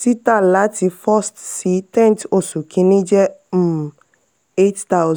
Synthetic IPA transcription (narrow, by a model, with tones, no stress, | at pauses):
si˦tã˦˨la˦ti˨˧fɔ˦stsi˦tɛ̃˦nto˨su˨kʰĩ˦nĩ˦d͡ʒɛ˦˨ | e˦tt̪a˦wz